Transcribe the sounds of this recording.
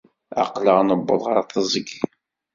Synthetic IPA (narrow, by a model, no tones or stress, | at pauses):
a̰qləʁnəbːəðˤʁɑɾθəzˤəɡ